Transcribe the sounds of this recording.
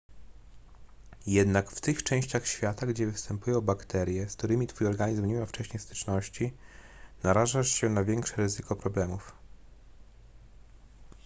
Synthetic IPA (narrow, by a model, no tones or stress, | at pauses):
jɛd̪nakft̪ɘxt͡ʂɛ̃w̃ɕt͡ɕaxɕfʲjat̪aɡd͡ʑɛvɘfst̪ɛmpujɔ̃w̃bakt̪ɛɾʲjɛskt̪uɾɘmʲit̪fujɔɾɡaɲizmɲemʲawft͡ʂɛɕɲejst̪ɘ̥t͡ʂnɔɕt͡ɕi | naɾaʐaʂɕɛnavʲjɛŋkʂɛɾɘzɘkɔpɾɔblɛmuf